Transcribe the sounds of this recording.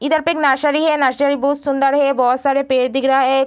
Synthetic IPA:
id̪aɾpeknaʃaɾiɦenaʃaɾibussund̪aɾɦebɔsaɾepeɾd̪iɡɾae

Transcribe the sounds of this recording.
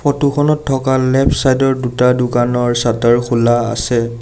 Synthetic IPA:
pʰɔtukʰɔnɔtʰːɔkalɛpʰsajdɔɹdutadʊkanɔɹsataɹkʰulaa̰sɛ

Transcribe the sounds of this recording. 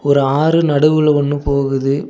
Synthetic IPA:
ɔɾɯaːɾɯnɐɽɯʋɯlɐɔnːɯpoːɣɯðɯ

